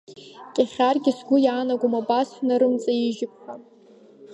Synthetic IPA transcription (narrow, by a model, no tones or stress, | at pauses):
kʲʼaχʲarɡʲɪsɡʷʊjaːnaɡʷumabʼasħnaɾɨmt͡sʼaiʒɪp̚ʷʰχa